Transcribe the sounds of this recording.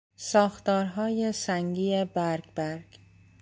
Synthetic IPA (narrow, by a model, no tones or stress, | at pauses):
sɒːxt̪ɒːɾɦɒːje̞sæŋɡiːebæɾɡbæɾɡ̥